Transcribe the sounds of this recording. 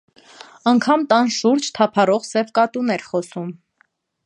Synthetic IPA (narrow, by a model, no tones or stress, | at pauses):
ɑŋkʰɑmt̪ɑnʃuɾd͡ʒt̪ʰɑpʰɑɾɔʁsɛvkɑt̪unɛɾχɔsum